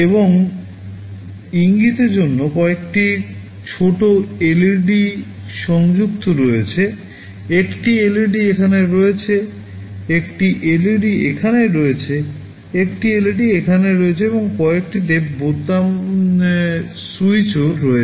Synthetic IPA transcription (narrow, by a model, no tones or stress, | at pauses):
eboŋ | iŋɡit̪eɾd͡ʑonːokɔekʈi | t͡ɕʰoʈoeleɾɖi | ʃɔŋd͡ʑuk̚t̪oɾoet͡ɕʰe | ekʈieleɾɖiekʰaneɾoet͡ɕʰe | ekʈiʔeliɖiekʰaneɾoet͡ɕʰe | ekʈieleɾɖiekʰaneɾoet͡ɕʰeeboŋkɔek̚ʈit̪ebod̪a | sujt͡ɕoɾoe